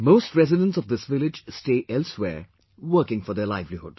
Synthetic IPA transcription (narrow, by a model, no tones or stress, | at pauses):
moːstɹɛzɪdə̃ntsɔvd̪ɪsʋɪlɪd͡ʒsteːʔɛlswḛːɹ | wəːkɪ̃ŋfɔd̪ɛlaɪvlihʊɖ̥